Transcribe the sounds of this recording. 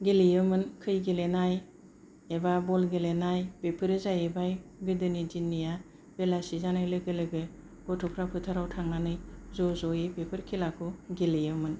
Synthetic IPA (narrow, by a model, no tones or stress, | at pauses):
ɡelijɯmɯnkʰɯjɡelenaj | ebabɔlɡelenajbepʰɯɾɯzajebajɡɯdɯnidinːija | belasizanajlɯɡɯlɯɡɯ | ɡ̥ɔtʰɔpʰɾapʰɯtʰaɾawtʰaŋanɯjzɔzɔjebepʰɯɾkʰilakʰuɡelejɯmɯn